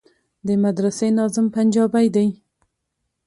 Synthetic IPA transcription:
d̪əmad̪ɾasenɑzɪmpand͡ʒɑbajd̪aj

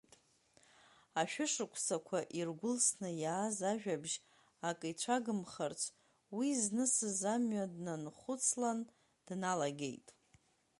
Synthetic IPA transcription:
tʼ | aʃᶣʊʂɨkʷʰsakʷʰaʔirɡʷʊlsnɨjaːzaʒᶣabʒ | akʼɨt͡ʃʷʰaɡɨmχart͡sʷʰ | wiznɨsɨzamɥadnanχʷʊt͡sʰlan | d̥nalaɡʲḛjtʼ

